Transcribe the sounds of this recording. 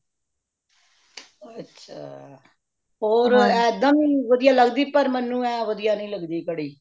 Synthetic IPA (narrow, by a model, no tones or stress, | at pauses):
ətːʃʰa̰ː | ɦoːɾɛːd̪əmiːʋəd̪ɪjaːləɡd̪iːpəɾmənːũːɛːʋəd̪ɪjaːnəĩːləɡd̪iːkəɽiː